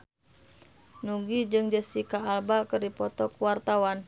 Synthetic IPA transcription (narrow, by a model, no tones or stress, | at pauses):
nuɡid͡ʒɨŋd͡ʒəsikaːlbakɨrdipɔt̪ɔkwart̪awan